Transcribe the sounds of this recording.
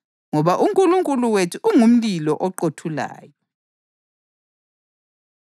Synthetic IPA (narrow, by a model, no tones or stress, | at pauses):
ŋɔβaʔuŋkʼuluŋkʼuluwetʰuʔuŋum̩lilɔʔɔǃotʰula̰ːjɔ